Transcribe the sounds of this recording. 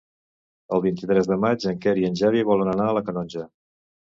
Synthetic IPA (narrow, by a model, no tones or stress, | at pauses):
əlˠβint̪it̪ɾɛzðəmad͡ʒəŋkɛɾiənʲʒaβiβɔlənənaələkənɔnʲʒə